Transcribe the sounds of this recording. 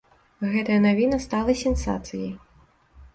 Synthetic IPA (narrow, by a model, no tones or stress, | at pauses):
ɣɛt̪ɐjɐnavʲinɐst̪alˠɐsʲɛnsa̰t̪sɨjɐj